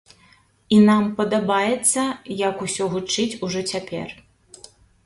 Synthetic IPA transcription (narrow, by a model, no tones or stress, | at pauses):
inampɐd̪abajɛt̪sːɐjɐkusʲɔɣut͡ʂɨt͡sʲuʐɔt͡sʲapʲɛ̰r